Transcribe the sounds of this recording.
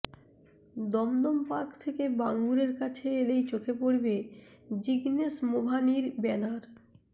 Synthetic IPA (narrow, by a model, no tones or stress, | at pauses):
d̪ɔmd̪ompakt̪ʰekebaŋɡuɾeɾkat͡ɕʰeelejt͡ɕokʰepoɾbed͡ʑiɡnesmobʱaniɾbɛnaɾ